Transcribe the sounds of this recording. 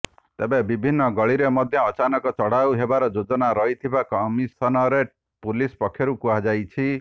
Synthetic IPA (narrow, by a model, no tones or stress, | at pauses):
t̪ebebibʱinːɔɡɔɭiɾemɔd̪ʱjɔːt͡ʃanɔkɔt͡ʃɔɽ̤awɦebaɾɔd͡ʒod͡ʒɔnaɾɔɦit̪ʰibakɔmisɔnɔɾe | pulispɔkʰjɔɾukuɦad͡ʒajt͡ʃʰi